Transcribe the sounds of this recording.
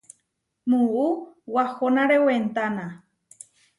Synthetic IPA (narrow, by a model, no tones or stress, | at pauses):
mũuwahonãɾewent̪anã